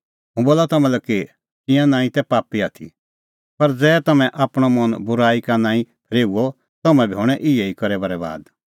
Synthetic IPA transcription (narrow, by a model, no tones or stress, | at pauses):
ɦũboːlat̪ɐmɛ̃lɛki | t̪ɪ̃jãnãːĩt̪ɛpaːpiat̪ʰḭ | pɐɾd͡zɛːt̪ɐmɛ̃ʔaːpɽ̃ɔmɐnbʊɾaːikanãːĩpʰɾeːuɔ | t̪ɐmɛ̃bʱioːɽ̃ɛʔɪɛikɐɾɛbaɾɛba̰ːd̪